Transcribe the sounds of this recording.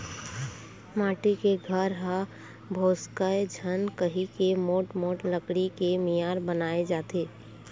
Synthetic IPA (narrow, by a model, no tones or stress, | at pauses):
maːʈikeɡʱəɾɦa | bʱoːskəed͡ʒʱənkəɦikemoːʈmoːʈləkɽikemijaːɾbənaːed͡ʒaːt̪eː